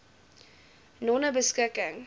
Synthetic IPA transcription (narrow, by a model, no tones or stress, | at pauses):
nɔnəbəskəkəŋ